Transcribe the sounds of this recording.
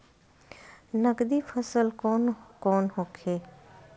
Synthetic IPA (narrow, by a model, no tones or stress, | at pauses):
nəɡd̪iːfʰəsəlkonkɔːnhoːkʰeː